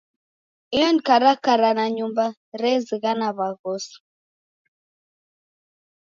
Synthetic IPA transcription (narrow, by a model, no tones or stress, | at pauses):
ijɔnkaɾakaɾanaɲumba | ɾɛziɣanaβaɣɔsu̥